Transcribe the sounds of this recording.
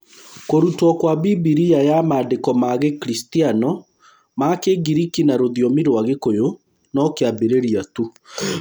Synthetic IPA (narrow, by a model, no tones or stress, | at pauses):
koɾutwɔkwabibiɾiajamaːdekɔmaɣekɾistianɔ | makeɡiɾikinaɾoðjɔmiɾwaɣekojo | nɔkeabeɾeɾiatu